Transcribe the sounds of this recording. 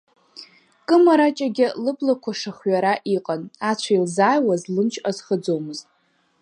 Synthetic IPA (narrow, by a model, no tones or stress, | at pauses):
kʼɨmaɾat͡ʃʼaɡʲɪlɨpʰʼlakʷʰaʂaχɥaɾaʔiqʼanat͡ɕʷʰailzaːjwazlɨmt͡ʃʰʼazχəd͡zo̞wmɨztʼ